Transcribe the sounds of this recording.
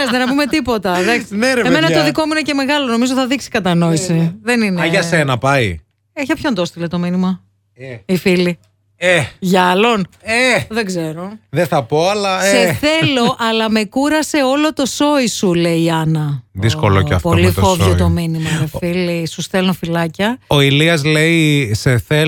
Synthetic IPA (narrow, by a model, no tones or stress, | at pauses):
zðenɐpume̞t̪ipo̞t̪ɐðɐksneɾeemenɐt̪oðiko̞muinece̞me̞ɣɐlo̞no̞mizot̪iθɐðiksi̥kɐt̪ɐno̞isiðenineʝɐssenɐpɐi | eçɐpçond̪ost̪ilet̪o̞minimɐ | ifili | eʝɐlo̞neðeɡze̞ɾo̞ðeθɐpo̞ɐlɐseθe̞lo̞ʔɐlɐme̞kuɾɐse̞o̞lo̞t̪o̞so̞isule̞iɐnɐðiskolocɐ̰fpolift̪ovjet̪ominimɐfilisusθelofilɐcɐoiliɐzle̞iseθe